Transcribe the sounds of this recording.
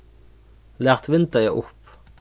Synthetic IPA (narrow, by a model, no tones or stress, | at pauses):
læːʁt̪ʋɪnt̪əʁjæɪʔʊp